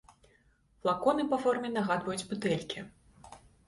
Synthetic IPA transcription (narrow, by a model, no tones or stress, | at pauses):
flˠakɔnɨpɐfɔrmʲɛnaɣad̪vɐjud͡zʲbut̪ɛlʲkʲi